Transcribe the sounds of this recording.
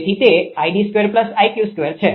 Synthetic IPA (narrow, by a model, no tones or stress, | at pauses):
t̪ʰit̪eaiɖiskʋeɾpləsajkjuskʋeɾt͡ʃʰe